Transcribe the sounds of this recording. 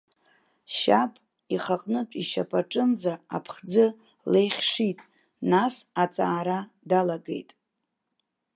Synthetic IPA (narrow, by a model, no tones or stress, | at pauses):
ʃapʼ | iχaqʼnɨtʷʼiʃa̰pʰʼaʈ͡ʂʼɨmd͡zaa̰pʰχd͡zɨ | lejχʲʂitʼ | nasat͡sʼaːɾa | dalaɡe̞̰jtʼ